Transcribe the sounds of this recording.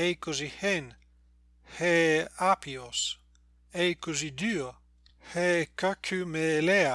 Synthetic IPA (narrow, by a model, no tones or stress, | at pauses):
ejkozihen | heapios | ejkuzid̪y | hekakʰymelea